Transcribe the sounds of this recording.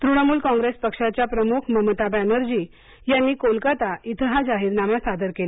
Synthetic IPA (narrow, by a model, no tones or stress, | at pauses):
t̪ɾuɽ̃amuːlkɔ̃ŋɡɾespəkʂat͡ɕjapɾəmukʰməmət̪abanəɾd͡ʑiː | janːiːkolkat̪ait̪ʰəɦad͡ʑaɦiːɾnamasad̪əɾkela